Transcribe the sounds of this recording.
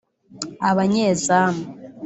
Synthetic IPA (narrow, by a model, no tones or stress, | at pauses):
aβaɲeːzaːma